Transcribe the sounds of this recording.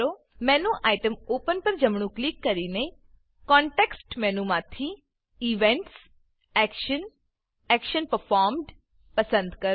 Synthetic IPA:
oː | mɛ̃ːnũːʔaːɪʈəmoːpənpəɾd͡ʒəmɳ̃ũklikːəɾiːne | kɔ̃ːɳʈeːksʈmɛ̃ːnũmãːt̪ʰi | iʋẽɳʈs | ɛːkʃən | ɛːkʃənpəɾpʰaːɾmɖ | pəsə̃nd̪kəɾ

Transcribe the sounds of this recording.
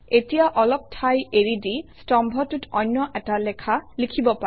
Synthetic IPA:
etijaʔɔlɔp̚tʰajeɹidistɔmbʱɔtutɔjnːɔʔɛtalɛkʰalikʰibɔpa

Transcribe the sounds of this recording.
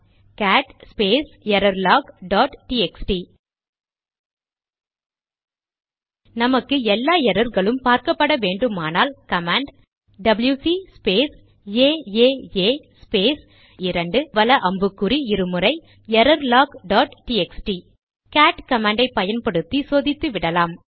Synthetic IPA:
kaːʈspeːsɛɾɐɾlaːkɖaːʈʈiɛksʈi | nɐmɐkːɯɛlːaːɛɾɐɾɣɐɭɯmpaːɾkɐpːɐɽɐʋeːɳɖɯmaːnaːlkɐmaːɳɖ | ɖɐbɐljusispeːs | eːeːeːspeːs | ɪɾɐɳɖɯʋɐlɐʔɐmbɯkːɯɾiɪɾɯmɯrɐɪ | ɛɾɐɾlaːkɖaːʈʈiːɛksʈi | kaːʈkɐmaːɳɖɐɪpːɐjɐnpɐɽɯt̪ːisoːðɪt̪ːɯʋɪɽɐlaːm

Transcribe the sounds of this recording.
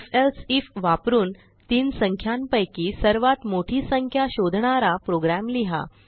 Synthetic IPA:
felsifʋapɾuːn | t̪iːnsəŋkʰjanpəjkiːsəɾʋat̪moʈʰiːsəŋkʰjaɕod̪ʱɳaɾapɾoɡɾæmliɦa̰

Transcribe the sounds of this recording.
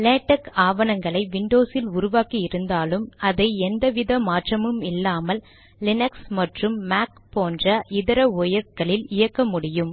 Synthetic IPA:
leːʈːɐkaːʋɐnɐŋɡɐɭɐɪʋɪɳɖoːsɪlʊɾʊʋaːkiɪɾɯnd̪aːlɯmɐðɐɪɛnd̪ɐʋɪðɐmaːʈrɐmɯmɪlːaːmɐlː | ɪnɐksmɐʈrɯmːaːk̚poːndrɐʔɪðɐɾɐɔjɐkːɐɭɪlɪjɐkːɐmʊɽɪjɯm

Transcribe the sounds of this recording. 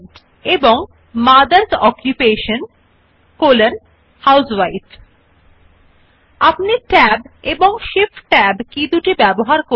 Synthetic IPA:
ʈ | eboŋ | mad̪aɾsɔkjupeʃon | kolen | hawswajt | apniʈɛbeboŋʃifʈʈɛbkid̪uʈibɛboɦaɾko

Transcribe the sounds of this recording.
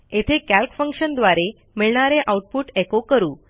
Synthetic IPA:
et̪ʰekælkfəŋkʂənd̪ʋaɾe | miɭɳaɾeʔauʈ̚puːʈekokəɾuː

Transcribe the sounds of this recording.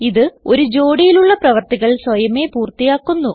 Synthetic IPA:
iðɨo̞ɾud͡ʑo̞ːɽijiluɭːɐprɐʋɐrt̪iɣɐɭsʋɐjɐme̞ːpuːrt̪ijaːkːunːu

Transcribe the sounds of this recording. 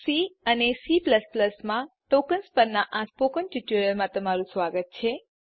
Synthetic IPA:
siənesipləspləsmãʈokənspəɾnaʔãspokənʈiʈuɾəɾmãt̪əmaɾũsʋaɡət̪̚t͡ʃʰe

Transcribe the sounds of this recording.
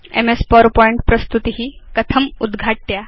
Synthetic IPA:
ḛmespɔɾpɔiɳʈpɾəst̪ut̪iɦiːkət̪ʰəmud̪ɡʱaʈ̚t̪ja

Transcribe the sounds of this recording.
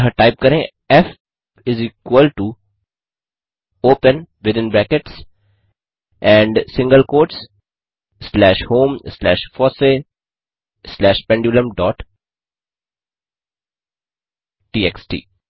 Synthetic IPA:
ɦəɾʈaɪp̚kɐɾẽ | ɛf | ɪziːkwəlʈu | oːpə̃nʋɪd̪ɪ̃nbɾɛ̃ːkeʈs | ʔɛ̃ːɳɖsɪ̃ŋɡəlkoːɾʈs | slɛːʃhõːmslɛːʃfɔːse | slɛːʃpɛ̃ɳɖjuːlə̃mɖɔːʈ | ʈiːɛksʈḭː

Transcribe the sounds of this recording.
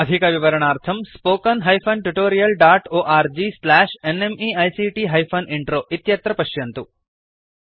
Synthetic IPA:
ɐd̪ʱikɐʋiʋɐɾɐɳ̃aːɾt̪ʰɐmspoːkɐnɦɐjpʰɐnʈuʈoːɾijɐlɖaːʈoːʔaːɾd͡ʒislæːʃenemiɐjsiʈiːɦɐjfʰoniɳʈɾoːʔit̪jɐt̪ɾɐpɐʃjɐnt̪u

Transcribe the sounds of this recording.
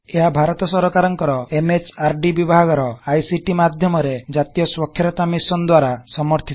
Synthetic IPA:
eɦabʱaɾɔt̪ɔsɔɾɔkaɾɔŋkɔɾɔemet͡ʃaɾɖibibʱaɡɔɾɔajsiʈimad̪ʱjɔmɔɾed͡ʒat̪ijɔswɔkʰjɔɾɔt̪amisɔnd̪waɾasɔmɔɾt̪ʰit̪

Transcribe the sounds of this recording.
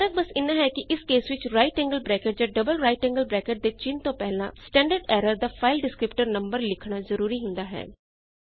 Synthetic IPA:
ɾət̪̚bəsɪnːãːɦɛːkɪʔɪskeːswɪt͡ʃɾaːɪʈɛ̃ːŋɡəlbɾɛːkəʈ̚d͡ʒaːɖəbəlɾaːɪʈɛ̃ŋɡəlbɾɛːkəʈ̚d̪eːt͡ʃɪnt̪õːpɛɦlã̰ːsʈɛ̃ːɳɖəɾɖɛːɾəɾd̪aːpʰaːɪlɖɪskɾɪpʈəɾnəmbəɾlɪkʰɳaːzəɾuːɾiːɦʊ̃nd̪aːɦɛ̰ː

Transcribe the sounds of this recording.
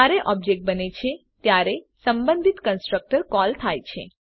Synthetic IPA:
aɾeʔɔb̚d͡ʒek̚ʈ̚bənet͡ʃʰe | t̪jaɾe | səmbə̃nd̪ʱit̪kənsʈɾək̚ʈəɾkɔlt̪ʰajt͡ʃʰe

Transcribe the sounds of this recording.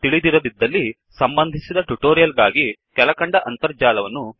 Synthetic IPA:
t̪iɭid̪iɾɐd̪id̪ːɐlːi | sɐmbɐnd̪ʱisid̪ɐʈuʈoːɾijɐlɡaːɡikɛlɐkɐɳɖɐʔɐnt̪ɐɾd͡ʒaːlɐʋɐnːu

